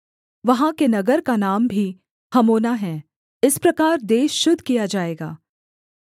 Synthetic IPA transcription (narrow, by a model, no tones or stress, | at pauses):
ʋɐɦãkenɐɡəɾkanaːmbʱi | hɐmoːnaɦɛ̃ | ɪspɾɐkaːɾd̪eːʃːʊd̪ʱkijad͡ʒaːeːɡa̰ː